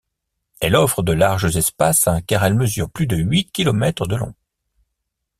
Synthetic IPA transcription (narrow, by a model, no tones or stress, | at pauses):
ɛlɔfχəd̪əlaʁʒəzɛspasakaʁɛlməzyʁplyd̪əɥikʲilɔmɛt̪χəd̪əlɔ̰̃